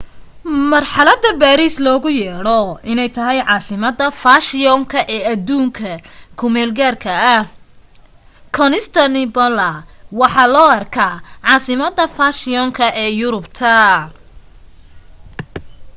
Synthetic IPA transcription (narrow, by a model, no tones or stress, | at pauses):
mɐrħɑlɐd̪ɐbaːɾiːslɔːɣʊjɛːɽɔɪnɛjt̪ʰɐɦɛjʕɑːsɪmɐd̪ɐfaːʃɪɔŋkʰɐʔɛːɐd̪uːŋkʰɐkʰʊmɛːlɡaːrkʰɐɐ | kʰɔnɪst̪ʰɐnɪbɔlɐwɑħɑːlɔːɐrkʰaːʕɑːsɪmɐd̪ːɐfaːʃɪɔŋkʰɐʔɛːjʊɾʊbt̪ʰɐ